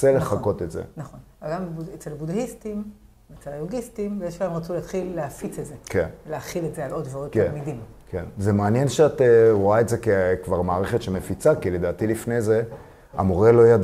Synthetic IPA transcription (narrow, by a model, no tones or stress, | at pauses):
eleχako̞tetzḛnaχo̞n | aɡambuet͡selabudaistim | et͡selajuɡistimvejeʃpaemʁat͡suleːtχilːeafit͡setzekenvleaχiletzealʔo̞dvaʁot̚aenmidim | kenzemeanjenʃeateʁoaetzekekvaʁmaːʁeχetʃemefit͡sakile̞daːtilifnejze̞ | a̰moʁelo̞jad